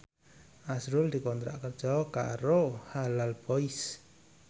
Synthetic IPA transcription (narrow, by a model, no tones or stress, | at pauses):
ʔasɾʊldikɔnt̪ɾa̰ʔkərdd͡ʒ̥ɔka̰ɾohalalbɔis